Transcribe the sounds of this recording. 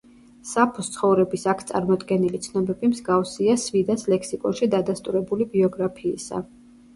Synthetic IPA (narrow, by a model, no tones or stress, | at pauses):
sapʰust̪sʰχɔvɾɛbisakʰt̪sʼa̰ɾmɔd̪ɡɛnilit̪sʰnɔbɛbimzɡafsiasvid̪aslɛkʰsikʼɔ̰nʃid̪ad̪ast̪ʼuɾɛbulibiɔɡɾapʰḭːsa̰